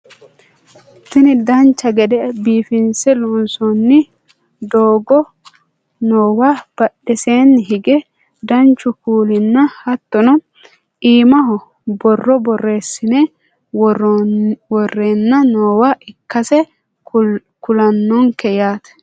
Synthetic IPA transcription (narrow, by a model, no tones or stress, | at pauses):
sɪnɪd̪ɐnt͡ʃːɐɡɛd̪ɛbiːfɪnsɛlʊnsɔnːɪ | d̪oːɡɔ | noːwaːb̥ɐɗɛseːnːɦɪɡɛ | d̪ɐnt͡ʃːʊkuːlɪnːɐhɐt̪ːɔnɔ | iːmɐɦɔ | bɔrːɔbɔrːeːsːɪne | wɔrːeːnːɐnoːwaːʔɪkːɐsɛ | kʊlɐnːɔŋkɛjaːt̪ɛ̥